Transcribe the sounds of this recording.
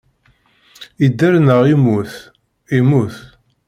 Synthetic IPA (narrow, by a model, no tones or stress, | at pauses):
id̪ːæɾnəʁimuθ | imuθ